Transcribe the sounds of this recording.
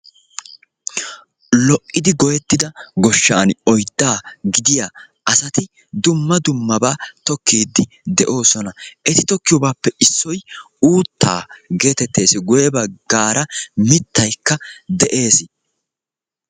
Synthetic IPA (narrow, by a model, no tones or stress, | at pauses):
lɔʔːɪd̪ɪɡɔjɛt̪ːɪd̪ɐɡɔʃːaːnɔjd̪̥ːaːɡɪd̪ɪjaː | ʔɐsɐt̪ɪ | d̪ʊmːɐd̪ʊmːɐbaːt̪ɔkːiːd̪ːɪ | d̪ɛʔo̞ːsɔnɐʔɛt̪ɪt̪ɔkːɪjɔːbaːpːɛʔɪsːɔj | uːt̪ːa̰ːɡe̞ːt̪ɛt̪ːe̞ːsɪɡʊjɛbɐɡ̥aːɾɐmɪt̪ːɐjkːɐd̪ɛʔe̞ːsɪ